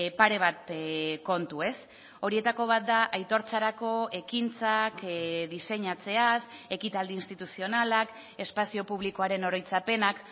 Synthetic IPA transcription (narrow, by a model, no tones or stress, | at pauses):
paɾe̞β̞at̪ko̞nt̪ue̞s | o̞ɾie̞t̪ako̞β̞at̪̚d̪aʔajt̪o̞ɾt͡saɾako̞e̞kint͡sakðise̞ɲat͡se̞ase̞kit̪ald̪iːnst̪it̪usio̞nalak | e̞spasio̞puβ̞liko̞aɾe̞no̞ɾo̞jt͡sape̞nak